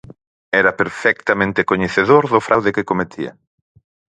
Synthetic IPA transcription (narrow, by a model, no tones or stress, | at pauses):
ɛɾɐpeɾfɛkt̪amẽnt̪ekoɲeθeðoɾðʊfɾʔawðekɪkomet̪ʰiɐ̰